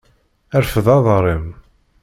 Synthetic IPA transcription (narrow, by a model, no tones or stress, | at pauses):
æɾfəðɑðˤɾˤim